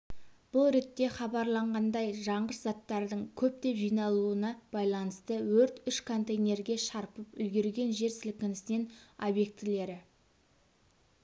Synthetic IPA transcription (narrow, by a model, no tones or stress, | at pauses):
b̥ʊlˠɾe̞t̪ːe̞χɑbɑɾlˠɑɴʁɑnd̪ɑjʒɑɴʁəɾzɑt̪ːɑɾd̪əɴkʲʰɵp̚t̪e̞ʒijnɑlˠuənɑb̥ɑjlˠɑnəst̪əwɵɾt̪ʏʃkʰo̞nt̪ejne̞ɾɡʲe̞ʃɑɾpəpʏlɡʲe̞ɾɡʲe̞nʒe̞ɾsɪlkʲɪnɪsɪne̞nobje̞k̚t̪ɪle̞ɾɪ